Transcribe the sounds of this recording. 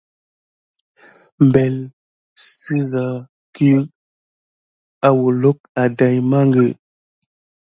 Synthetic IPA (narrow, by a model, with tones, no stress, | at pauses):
m˨be˨l | si˦za˨ | ki˦ | a˨wu˨lo˦k̚a˨da˨jma˦ŋɡe˨